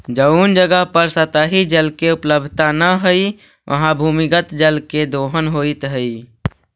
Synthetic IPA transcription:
d͡ʒəund͡ʒəɡəɦpəɾsət̪əɦid͡ʒəlkeʊpləbd̪ʱt̪anəɦəi | ʋʔə̰ɦãbʱuːmikət̪d͡ʒəlked̪oːɦənɦoit̪ɦəi

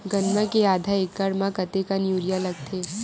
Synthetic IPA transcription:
ɡɐnmãkeaːd̪ʱaeːkːaɾmãkɐt̪ekanjuːɾijalɐɡ̚t̪ʰeː

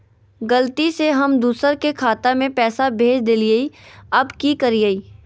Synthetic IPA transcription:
ɡəlt̪iseɦɐmd̪uːsəɾkekʰaːt̪amẽpɛːsabʱeːd͡ʒd̪elieiɐbkikɐɾiəiː

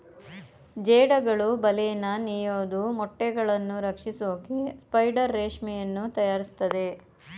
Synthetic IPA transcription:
d͡ʒeːɽɐɡɐɭubɐlɛjɐnːɐnijoːd̪umɔʈːɛɡɐɭɐnːuɾɐkʂisoːkispɐjɖɐɾːeːʂmijɐnːut̪ɐjaːɾist̪ɐd̪e̞

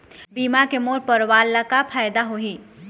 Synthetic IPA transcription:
biːmakemoːɾpəɾʋaːlːakapʰaːjd̪aɦoɦi

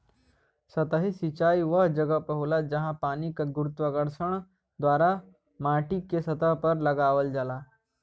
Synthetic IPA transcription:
sɐt̪əɦisit͡ʃaːiʋɐɦd͡ʒɐɡəpəɦulad͡ʒɐɦãpaːnikaɡʊɾʊt̪ʋəɡəɾʃəɽ̃ | d̪ʋaːɾa | maːʈikesɐt̪əɦpɐɾlɐɡaːʋəld͡ʒaːlaː

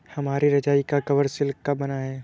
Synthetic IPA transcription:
hɐmaːɾiɾɐd͡ʒaːikakɐʋəɾsɪlkkabɐnaɦɛː

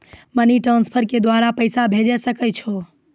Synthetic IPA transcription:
məniʈɾãnspʰəɾked̪waɾapəɪsabʱed͡ʒesəkət͡ʃʰo

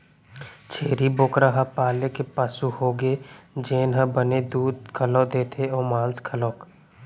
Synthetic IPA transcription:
t͡ʃʰeːɾiboːkɾaɦapaːlekepaːsuhoːɡeːd͡ʒeːnɦə̃bəned̪uːd̪̚kʰəlod̪eːt̪ʰeoːmãːnskʰəloːk

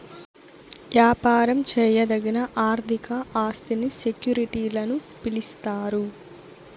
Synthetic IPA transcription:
ʋjaːpaːɾɐmt͡ʃɛːjɐd̪ɐɡinɐʔaːɾt̪ʰikɐʔaːst̪inisekjuːɾiʈiːlɐnu | pilist̪aːɾu

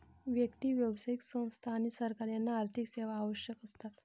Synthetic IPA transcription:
ʋjəkt̪iʋjəʋsaiksə̃w̃st̪ʰaːɽ̃isəɾkaɾjanːaːɾt̪ʰikseʋ̤aːʋəɕjəkəst̪at̪

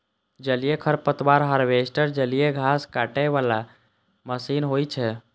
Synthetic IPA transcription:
d͡ʒəlijekʰəɾpət̪waɾɦəɾʋesʈəɾd͡ʒəlijeɡʱaskaʈɛʋala | məsinɦojt͡ʃʰɛ

